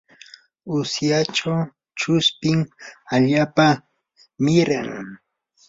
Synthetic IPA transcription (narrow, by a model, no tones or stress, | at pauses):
ʊsjaʈ͡ʂaw | t͡ʃʊspɪŋaʎaːpa | mɪɾaŋ